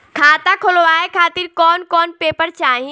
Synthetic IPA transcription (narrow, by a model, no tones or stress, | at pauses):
kʰaːt̪akʰoloʋaːekʰaːt̪iɾkɔːnkɔːnpeːpəɾt͡ʃaːɦĩ